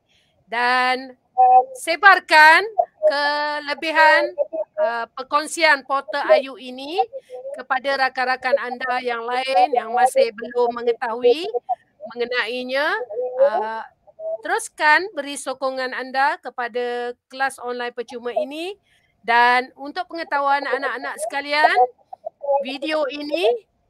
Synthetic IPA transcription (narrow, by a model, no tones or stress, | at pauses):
dan | sebarkankələbiɦanəpərkɔŋsianpɔt̪əajuinikəpadaɾakaɾakanandajaŋlaɪnjaŋmãsɪhbəlʊmːəŋət̪aɦui | mə̃ŋənãiɲãə | t̪əɾuskanbəɾisokɔŋãnandakəpadakəlasɔnlajnpət͡ʃumaini | danunt̪ʊʔ̚pəŋət̪auananaʔanãʔsə̥kalian | videoinĩ